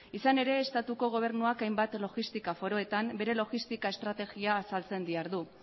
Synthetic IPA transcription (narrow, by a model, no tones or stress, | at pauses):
isane̞ɾe̞ːst̪at̪uko̞ɣ̞o̞β̞e̞ɾnuakajmbat̪lo̞ɣist̪ikafo̞ɾo̞e̞t̪ambe̞ɾe̞lo̞ɣist̪ikae̞st̪ɾat̪e̞ɣiaːsalt͡se̞nd̪iaɾðu